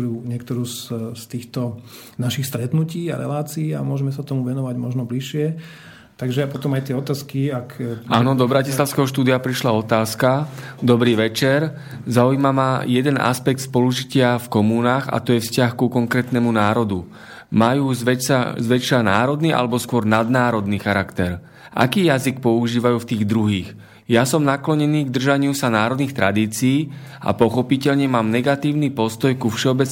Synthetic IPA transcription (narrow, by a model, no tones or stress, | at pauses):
uːɲɪɛk̚t̪ɔɾuːsst̪iːxt̪ɔ | naʃixst̪ɾɛt̪nuciːa̰ɾɛ̰laːt͡siːamʊɔʒɛmɛsat̪ɔmuʋɛnɔʋaɟmɔʒnɔbliʃɪɛ | t̪aɡʒɛpɔt̪ɔmajt̪ɪɛɔt̪aːskiakaːnɔd̪ɔbɾacislaʊskɛɦɔʃt̪uːd̪ɪapɾiʃlaɔt̪aːskad̪ɔbɾiːʋɛt͡ʃɛɾ | zaujmamajɛd̪ɛnʔa̰spɛk̚t̪spɔluʒicɪafkɔmuːnaːxa̰t̪ɔjɛfscaxkukɔŋkɾɛːt̪nɛmunaːɾɔd̪u | majuːzʋɛsa̰zʋɛt͡ʃlana̰ːɾɔd̪niʔa̰lɛbɔskʊɔɾnad̪naːɾɔd̪niːxaɾakt̪ɛɾ | ʔa̰kiːjazik̚pɔuʒiːʋajuːft̪iːɣd̪ɾuɦiːx | jasɔmnaklɔɲɛniːɡd̪r̩ʒaɲɪusanaːɾɔd̪niːxt̪ɾad̪iːt͡siiː | a̰pɔxɔpicɛʎɲɛmaːmnɛɡat̪iːʊnipɔst̪ɔjkufʃɛɔbɛt͡s